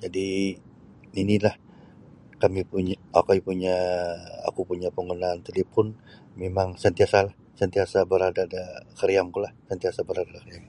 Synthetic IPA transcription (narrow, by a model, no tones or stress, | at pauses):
d͡ʒadi | inilah | kamipuɲaa̰kaipuɲaa̰kupuɲapəŋənaːnt̪elepʊn | memaŋsənt̪iasalah | sənt̪iasabəɾadadakəɾijaŋkulahsənt̪iasabəɾadadakəɾjam